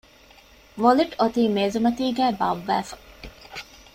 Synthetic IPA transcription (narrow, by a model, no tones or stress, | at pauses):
ʋoliʈot̪iːmeːzumɐt̪iːɡæːbɐ̰ʋːæːfɐ̥